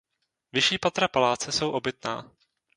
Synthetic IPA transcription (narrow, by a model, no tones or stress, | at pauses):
vɪʃiːpat̪ɾapalaːt͡sɛso̞wʔo̞bɪt̪na̰ː